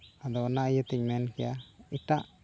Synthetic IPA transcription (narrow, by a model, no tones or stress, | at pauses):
ad̪ɔnajət̪iɲmɛnkijait̪aʔ